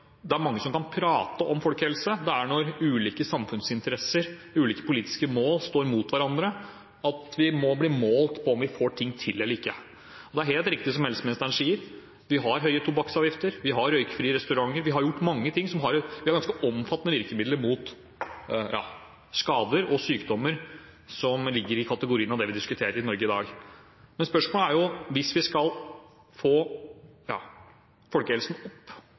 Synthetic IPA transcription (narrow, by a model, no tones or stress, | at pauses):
d̪ɛæɾmɑŋːəsɔmkɑnpʰɾɑːt̪əʔɔmfɔlkhɛlsəd̪ɛæɳɔɾʉːliːkəsɑmfʉnsɪnt̪əɾɛsːəɾʉːliːkə̥pʊliːt̪ɪ̥skəmoːlst̪oːɾmuːt̪ʋæɾɑnd̪ɾə | ɑt̪ʋɪmɔbliːmoːlt̪pʰɔɔmʋɪfoːʈʰɪŋːt̪ʰɪlɛlːəɾɪkːə | ɔd̪ɛæɾheːlt̪ɾɪk̚t̪ɪs̬ɔmhɛlsmɪnəst̪ɑnʂiːəɾ | ʋɪɦɑɾɦœʏət̪ʰʊbɑksɑːʋjɪft̪əɾʋɪɦɑɾœʏkə̥fɾiːəɾɛst̪ʉɾɑŋːəɾʋɪɦɑɾjʊʈːmɑŋːət̪ʰɪŋsɔmɦɑɾʋɪhɑɾɡɑnskəʔɔmfɑt̪ːənəʋɪɾkəmɪd̪ləɾmuːt̪ | jɑ̰ː | skɑːd̪əɾɔsyːkd̪ɔmːəɾ | sɔmlɪɡːəɾɪkʰɑt̪əɡʊɾiːənɑʋd̪ɛʋɪd̪ɪskʉt̪ʰeːɾəɾɪnɔɾɡəɪd̪ɑ̰ːɡ | mɛnspœʂmoːləæɾjʊʋɪsʋɪskɑl | foːjɑ̰ː | fɔlkəɛlsn̩ɔpː